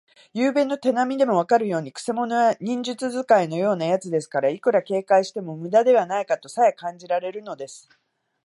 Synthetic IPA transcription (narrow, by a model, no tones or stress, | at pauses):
jɯːbẽ̞nːo̞t̪e̞namʲid̪e̞mo̞βakaɾɯ̟jo̞ːɲ̟ikɯ̟̥se̞mo̞noɡaɲ̟ĩɲ̟d͡ʑɨt͡sɨzɨkaino̞jo̞ːnajat͡sɨd̪e̞sɨ̥kaɾaikɯ̟ɾake̞ːkaiɕi̥t̪e̞mo̞mɯ̟d̪ad̪e̞β̞anaikat̪o̞sajakãɲ̟d͡ʑiɾaɾe̞ɾɯ̟no̞d̪e̞sɨ̥